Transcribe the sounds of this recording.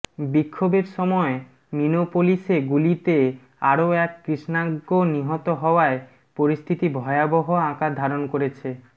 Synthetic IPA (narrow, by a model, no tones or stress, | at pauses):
bikʰːobeɾʃɔmɔe | minopoliʃeɡulit̪e | aɾoɛkːɾiʃnaɡːoniɦɔt̪oɦɔoae | poɾist̪ʰit̪ibʱɔeaboɦoãkad̪ʱaɾonkoɾet͡ɕʰe